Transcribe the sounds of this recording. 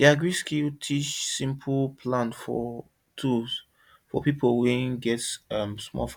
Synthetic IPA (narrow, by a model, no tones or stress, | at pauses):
iaɡɹiskiltʰit͡ʃsĩmpʰl̩pʰlãnfɔ̰ | tʰulz̥ | fɔ̰pipʰl̩ˠwɛ̃nɡɛtʌ̃msmɔ̰f